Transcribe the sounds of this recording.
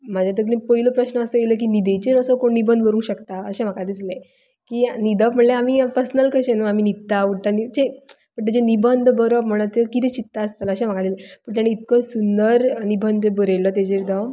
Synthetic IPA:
mad͡ʑjat̪əklĩpəiləpɾəɕnəəsəjelək̬iːnid̪et͡ɕeɾəsəkoɳnibənd̪ʱʋəɾũːnɕəkt̪aəɕem̤akad̪iːt͡slə | kiːnid̪əm̤əɳleamipəɾsnəlkəɕẽnuamiːnit̪ːauɽʈanit͡ɕe | pəɳt̪ed͡ʑenibənd̪ʱbəɾʋam̤əɽ̃ət̪ekit̪ɛt͡ɕit̪ːaəst̪ələɕem̤akad̪ilpəɳt̪jañːiːt̪̚kəsund̪əɾnibʱənd̪ʱebəɾelət̪̬ed͡ʑed̪əʋ

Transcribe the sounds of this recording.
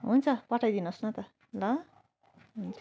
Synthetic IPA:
ɦunt͡sʰʌpʌʈʰajd̪inʌsnʌt̪ʌ | lʌ | ɦunt͡sʰ

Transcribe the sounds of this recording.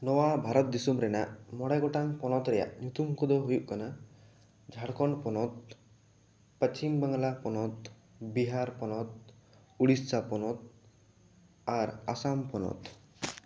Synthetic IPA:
nɔwabʱaɾɔt̪̚d̪isumɾɛnaʔmɔɽajɡɔʈaŋpɔnɔt̪ɾɛja̰ʔɲut̪umkɔd̪ɔɦujuʔkana | d͡ʒʱaɽkɔɳpɔnɔt̪̚ | pət͡ʃimbaŋlapɔnɔt̪̚ | biɦaɾpɔnɔt̪̚ | uɽissapɔnɔt̪̚ | aɾasampɔnɔ̰t̪

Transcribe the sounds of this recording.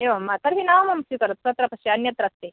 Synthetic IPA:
eʋɐmat̪ɐɾɦinaʋmɐmsukɐɾɐt̪̚sɐt̪ɾɐpɐsiɐnjɐt̪ɾɐst̪e

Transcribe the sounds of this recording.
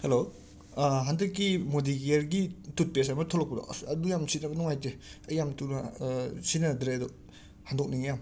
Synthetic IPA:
helo | ɦandɯkːimodiɡeeɾɡitut̚pesamɐtʰolɔkpudɔ̰ɐdujamsitnabɐnɔŋajteɐjamtunasinɐd̪ɾedɔ | handɔk̚niŋjam

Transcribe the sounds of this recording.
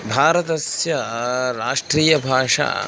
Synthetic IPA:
bʱaːɾɐt̪ɐsjɐɾaːʂʈɾiːjɐbʱaːʂa̰ː

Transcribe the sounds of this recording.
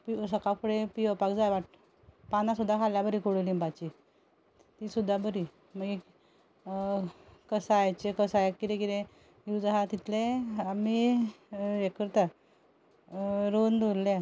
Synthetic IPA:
pisəkakuɽepiəpakd͡zajʋaʈ | panãsud̪ʱːakʰaljabəɾiːkoɽulimbat͡ɕi | t̪iːsud̪ʱːabəɾi | məɡi | kəsajt͡ɕekəsajakid̪ẽkid̪ẽ | jud͡zaɦat̪it̪ʰleami | jekʰəɾt̪a | ɾond̪olːja

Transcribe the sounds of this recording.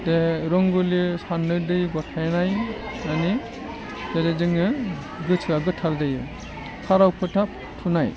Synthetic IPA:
deɾɔŋɡulisanːɯdɯjɡɔtʰajnaj | ani | d͡ʒaded͡ʒɯŋɯ | ɡɯt͡ʃʰɯaɡɯtʰːaɾdɯjɯ | pʰaɾawpʰɯtʰa | tʰunaj

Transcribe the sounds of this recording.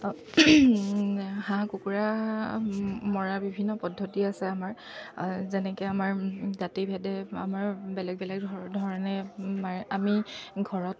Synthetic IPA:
hãkukuɹa | mɔɹabibʱinːɔpɔdʱːotiasɛamaɹ | zɛnɛkɛamaɹzatibʱɛdɛa̰maɹbɛlɛk̚bɛlɛk̚dʱɔdʱɔɹɔnɛmaamiɡʱɔɹɔt̚

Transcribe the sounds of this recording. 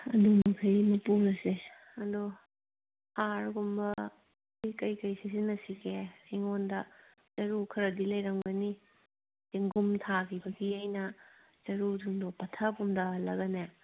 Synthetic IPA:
ɐ̰dumɐkʰɐjimɐpuɾɐse | ɐdo | haɾɡumbɐ | jkɐjkɐjsisinɐsikʰesiŋondɐ | z̥ɐɾukʰɐɾɐdilɐjɾɐŋbɐni | deŋɡumtʰakʰibɐɡiajnɐ | z̥ɐɾuduŋdopɐtʰɐpumdɐlɐɡɐne

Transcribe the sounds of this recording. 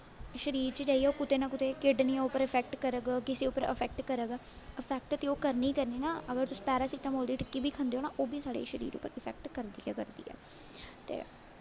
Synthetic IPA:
ʃəɾiːɾt͡ʃəd͡ʒaːiːɛːoːkʊt̪eːnãːkʊt̪eːkɪɖniːɛʊpəɾəpʰɛːk̚ʈkəɾəɡkɪseːʊpːəɾɪ̰pʰɛːk̚ʈkəɾəɡ | əpʰɛːk̚ʈt̪eoːkəɾniːkəɾniːnaːəɡəɾt̪ʊsĩ̥ːpɛːɾaːsɪʈəmɦoːld̪iːʈəkːiːbʱiːkʰənd̪eɦoːnaːʔoːbiːsaːɽḛːʃəɾḭːɾʊ̰pːəɾɪpʰɛ̰ːk̚ʈkəɾd̪iːɛːkəɾd̪ḭːɛ̰ː | t̪ḛː

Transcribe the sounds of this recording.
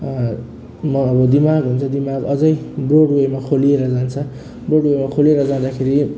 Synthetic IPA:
mʌːbʌd̪imaɡɦunt͡sʰʌd̪imaɡʌd͡zʌjbroɽuʌjmakʰolieɾʌd͡zant͡sʰʌ | broɽuwojmakʰolieɾʌd͡zad̪akʰeɾi

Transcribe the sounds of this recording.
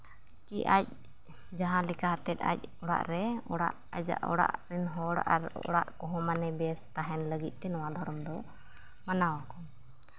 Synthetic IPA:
kiʔac̚ | d͡ʒaɦãlikaɦat̪ɛt̪̚ˀa̰c̚ɔɽa̰ʔɾɛɔɽa̰ʔad͡ʒa̰ʔɔ̰ɽa̰ʔɾinɦɔɽa̰ɾɔ̰ɽa̰ʔkɔɦɔ̃manɛbɛst̪aɦɛnləɡit̪̚ˀt̪ɛnɔwad̪ʱɔɾɔmd̪ɔ | manawakɔ

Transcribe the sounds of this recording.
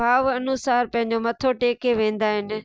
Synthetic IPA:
aːʋɐnʊsaːɾpɐ̃ɦɪ̃ɲ̆d͡ʑomɐt̪ʰoʈeːkeʋẽːn̆d̪aːɦɪnɪ̆

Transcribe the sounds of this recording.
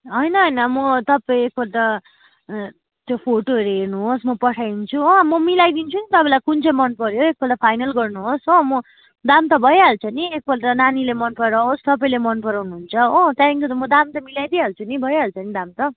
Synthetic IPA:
ɦʌjnʌɦʌjnʌmʌt̪ʌpʌĩek̚bʌlt̪ʌ | t̪jopʰoʈoʌɾeɦernuɦosmʌpʌʈʰajnt͡sʰuʌ̃mʌmilajd̪int͡sʰunit̪ʌpãlajkunt͡sʰʌmʌnpʌɾjoek̚bʌlt̪ʌpʰajnʌlɡʌrnuɦosʌ̃mʌ | d̪amt̪ʌbʱʌjeɦalt͡sʰʌniek̚bʌlʈ̪ʌnanilemʌnpʌɾaost̪ʌpaĩlemʌnpʌɾawnuɦunt͡sʰʌõt̪jaiŋkot̪mʌd̪amt̪ʌmilajd̪iɦalt͡sʰunibʱʌjɦalt͡sʰʌnid̪amt̪ʌ

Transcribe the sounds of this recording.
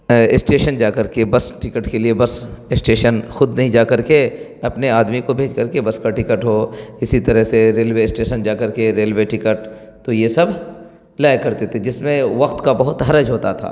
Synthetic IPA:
ɪsʈeːʃənd͡ʒaːkɐɾkebɐsʈɪkəʈkeliebɐsɪsʈeːʃənxʊd̪nɐɦĩd͡ʒaːkɐɾke | ɐpneaːd̪mikobʱeːd͡ʒkɐɾkebɐskaʈɪkəʈɦoɪsit̪ɐɾəɦseɾeːlʋeɪsʈeːʃənd͡ʒaːkɐɾkeɾeːlʋeʈɪkəʈ | t̪ojesɐb | laːjkɐɾt̪et̪ʰed͡ʒɪsmẽʋɐqt̪kabɐɦʊt̪ɦɐɾəd͡ʒɦoːt̪at̪ʰa̰ː

